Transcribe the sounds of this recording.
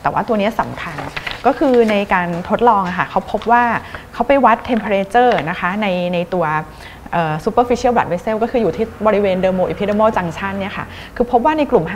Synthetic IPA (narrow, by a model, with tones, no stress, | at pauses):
t̪ɛː˨˩waː˥˩t̪u˧ɐni˦˥ɐsa̰˨˩˦mkʰa˧nkɔː˥˩kʰɯː˧na˧jkaː˧nt̪ʰo˦˥t̪̚lɔː˧ŋʔa˨˩kʰa˥˩kʰa˦˥wpʰo˦˥p̚waː˥˩kʰa˦˥wpa˨jwa˦˥t̪ʰːe˧mpʰe˧ɾe˧t͡ɕɤː˥˩na˦˥kʰa˦˥na˧jna˧jt̪u˧ɐ | ʔɤː˨˩su˨˦˩pəː˧˩fi˦˥t͡ɕʰi˥˩wbɾa˨˩we˧˥seː˥˩wkɔː˥˩kʰɯː˧juː˨˩t̪ʰiː˥˩bɔː˧ɾi˦˥weː˧ndɤː˧moː˧ʔi˧pʰi˦˥de˧mɔː˥˩t͡ɕa˧ŋt͡ɕʰa˥˩nːi˥˩ɐkʰa̰˥˩ | kʰɯː˧pʰo˦˥p̚waː˥˩na˧jklu˨˩mɦ